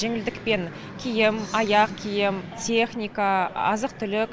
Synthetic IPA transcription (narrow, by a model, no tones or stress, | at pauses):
ʒeŋɪld̪ɪkpe̞n | kʲʰijɪmɑjɑqkʲʰijɪmtʲʰeχnʲijkaɑ̰zəq̚t̪ʰʏlɪk